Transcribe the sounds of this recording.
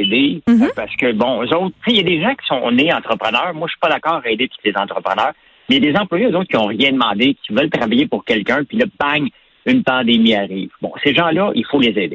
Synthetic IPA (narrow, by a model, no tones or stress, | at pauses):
ed̪epaʁsə̥kʲəbɔ̃øzɔʊt̪χt͡sejad̪eʒãkʲi̥sɔ̃neɑ̃t̪χəpχənœːʁmwaʃɥy̥pʌd̪akɑːʁaed̪et̪u̥t̪lezɑ̃t̪χəpʁənœːʁ | mɛjad̪ezɑ̃plwajeozoʊt̪̚kʲiɔ̃ʁjɛ̃d̪mɑ̃d̪ekʲʰi̥vœlt̪ʁavajepʊʁkʲɛlkʲœ̃pilʌbaɲ | ynpɑ̃d̪emiaʁiːvbɔ̰̃seʒɑ̃lʌʔifolezeːd̪e